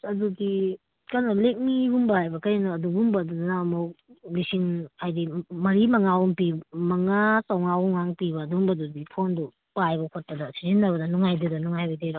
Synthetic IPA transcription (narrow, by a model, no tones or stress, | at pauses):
ɐdudi | kaɾnɐlek̚mibumbɐhajbɐkɐjnuːdubumbɐːdunanamɐwlisiŋajdimɐɾimɐŋawuŋpimɐŋasawŋawɔŋaŋpibɐːdumbɐdudipʰondu | pajbɐkʰot̚pɐdɐsizinːɐbɐdɐnuŋajdedɐnuŋajbɐjdeɾo